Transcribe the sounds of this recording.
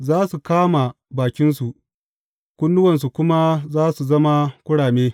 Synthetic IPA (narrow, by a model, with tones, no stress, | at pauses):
zaː˦su˨kaː˦ma˨ | baː˨kʲɪ˦ns̬u˨ʔ | kʷʊ˦ndʊ˦wɐ˨ns̬u˨kʷʊ˦ma˦zaː˦su˨zɐ˦ma˦kʷʊ˦ɽaː˨meː˦